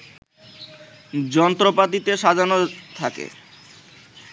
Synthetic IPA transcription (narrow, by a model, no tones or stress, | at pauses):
d͡ʑɔnt̪ɾopat̪it̪eʃad̪ʱanot̪ʰakḛ